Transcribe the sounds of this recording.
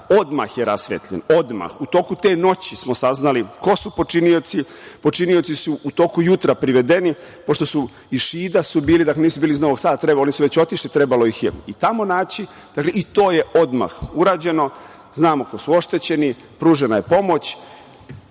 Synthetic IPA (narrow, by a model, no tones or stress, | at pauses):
od̪ma̰xjeɾasʋḛt̪ʎḛno̞d̪ma̰xut̪o̞ːkut̪e̞ːno̞t͡ɕismosaznaliko̞supo̞t͡ʃiniot̪si | po̞t͡ʃiniot̪sisuːt̪o̞ːkujut̪ɾapɾiʋe̞d̪e̞ni | po̞ʃt̪o̞su | iʃiːd̪asubiːlid̪akleniːsubiːlizno̞ʋo̞ɡsaːd̪at̪ɾebaonisuʋe̞t͡ɕo̞t̪iʃlit̪ɾebalo̞ixjḛit̪amo̞naːt͡ɕi | d̪̥akleit̪o̞ːjeʔo̞d̪ma̰xuɾaːd͡ʑe̞no̞ | znaːmokosuo̞ʃt̪e̞t͡ɕe̞ni | pɾuːʒenajepo̞mo̞t͡ɕ